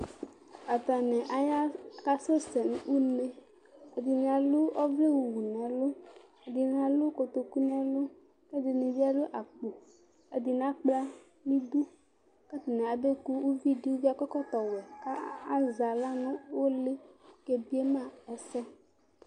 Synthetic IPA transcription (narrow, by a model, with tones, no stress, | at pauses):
a˨t̪a˨nɛ̃˨ʔa˨ja˦ka˦so˦sɛ˨n˦wu˦ne˦ | e˨d̪i˨nĩ˨a˨lo˦ɔ˦vle˦wu˨wu˨nɛ̃˨lo˦ | e˨d̪i˨nã˨lo˦ko˨t̪o˨ku˦nɛ̃˨lo˦ | ke˦d̪i˨nĩ˨vi˦a˦lo˦ʔa˨k͡po˨ | e˨d̪i˨nã˦k͡pla˦ | nĩ˦d̪u˦ | ka˦t̪i˨nɛ̃˨a˨be˦ku˦wu˦vi˦ɖi˦wu˦vi˦a˦kɔ˦kɔ˦t̪ɔ˨wɛ˨ka˦a˦za˨la˦nũ˦wo˦le˦ke˨bi˦e˦mã˦ɛ˨sɛ˦